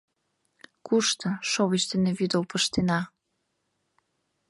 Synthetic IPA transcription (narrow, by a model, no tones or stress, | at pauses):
kuʃt̪ɤ̆ʃoβiʃt̪eneβyd̪əlpəʃt̪enɑ